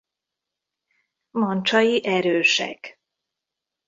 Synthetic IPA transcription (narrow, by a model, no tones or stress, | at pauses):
mɒnt͡ʃɒjiʔɛɾøːʃɛ̰k